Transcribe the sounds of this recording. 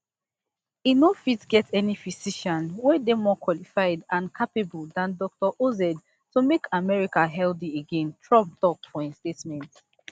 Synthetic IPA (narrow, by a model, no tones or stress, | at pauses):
inofitɡɛtɛnifisiʃɔ̃nwɛdemɔkʰwɔlifaɪdãnkʰapebuldãndɔk̚tɔʔozɛd | tumekamɛɹikaɦɛldieɡẽntʰɹɔ̃p̚tɔkfɔĩnstetmɛ̃nt